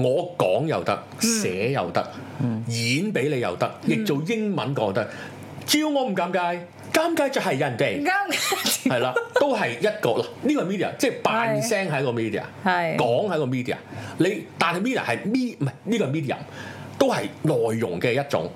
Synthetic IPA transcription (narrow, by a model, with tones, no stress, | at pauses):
ŋɔː˨˧kɔː˨˥ŋjɐ̰˨wt̪ɐ˥k̚sɛː˨˧˥jɐ̰˨wt̪ɐ˥k̚ | jiː˨˥npe˨˥jle˨˧jɐ̰˨˩wt̪ɐ˥k̚jɪ˨k̚t͡so˨wjɪ˥ŋmɐ̰˨˥nkɔː˨˥ŋt̪ɐ˥k̚ | t͡siː˧wŋɔː˨˧m̩˨˩kaː˨˥mkaː˧˥j | kaː˧˥mkaː˧˥jt͡sɐ˨˧hɐ˨jːɐ˨˧˨nkɛ˧a˥hɐ˨jlaː˧o˥wɦɐ˨jjɐ˥t̚kɔː˧la˨˩niː˥kɔ˧˨jmi˥t̪iː˨ɐ̰˨˩t͡sɛː˥˩paː˨˧nsɛː˥ŋɦɐ˨˥jkɔː˧miː˥di˨˩a̰˨˩ɐjkɔː˨˥ŋhɐ˨˧˥kɔː˧mi˥t̪iː˨˩a̰ː˨˩le˨˧jt̪aː˨nhɐ˨miː˥d̪ḭ˨˩hɐ˨jmiː˥mɐ˨˧˩jniː˥kɔː˧˨˩miː˥d̪̬iː˧˨ɐ̰˨˩mt̪o˥whɐ˨jlɔː˨˩jːʊ̰˨˩ŋkɛː˧jɐ˥t̚t͡sʊ̰˨˥ŋ